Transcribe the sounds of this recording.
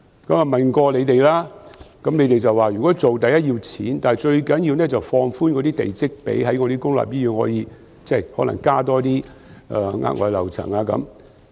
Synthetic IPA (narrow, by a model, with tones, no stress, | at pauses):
kɐ˨˥maː˨˩mɐ˨˩nkɔː˧le˨˧jt̪e˨jlaː˥kɐ˨˥mne˨˧jt̪e˨jt͡sɐ˨waː˨˩jyː˨˩kɔː˨˥t͡so˨wt̪ɐ˨jɐ˥t̚jiː˧wt͡sʰḭː˨˥nt̪aː˨n˨jt͡ʃɵ˧ɥkɐ˨˥njiː˧wnɛː˥t͡sɐ˨wfɔː˧ŋfuː˥nkɔ˨˧˥t̪iː˥t̪ḛ˨jt͡sɪ˥k̚pḛ˨˥jɦɐ˨˥jŋɔː˨˧ɾi˥kʊ˥ŋla̰ː˨p̚jiː˥jyː˧nhɔ̰ː˨˥jiː˧ | t͡sɛː˥˩jhɔː˨˥lɐ̰˨˩ŋkaː˥t̪ɔː˥t̪̬iː˥ | ʔaː˨˧ŋa̰ː˥t̚ŋʔɔ̰ː˧˩jlɐ̰˨˩wt͡sʰɐ̰˨˩ŋaː˧kɐ̰˨˦m